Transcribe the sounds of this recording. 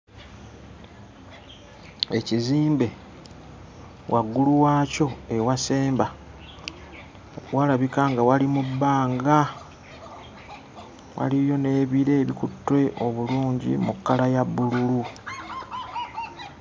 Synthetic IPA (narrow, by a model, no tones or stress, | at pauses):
e̞ciziːmbe̞ | wʔaɡːuluwaːco̞e̞wase̞ːmba | walaβikaŋɡawalimubːaːŋɡa | wa̰lijo̞ne̞ːβiɾe̞ːβikutːwe̞ʔo̞βuluːɲɟḭmukːalajabːululu